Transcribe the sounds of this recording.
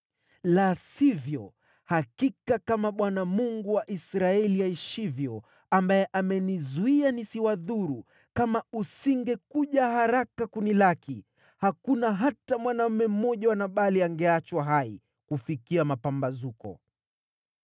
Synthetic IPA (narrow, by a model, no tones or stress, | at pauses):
lasivjɔ | hakikakamaɓwanamuŋɡuwaʔisɾaɛliaiʃivjɔ | ambajɛʔamɛnizuianisiwaðuɾu | kamausiŋɡɛkuʄahaɾakakunilaki | hakunaɦatamwanam̩mɛm̩mɔʄawanaɓaliaŋɡɛat͡ʃwaɦaḭ | kufikiamapambazukɔ̰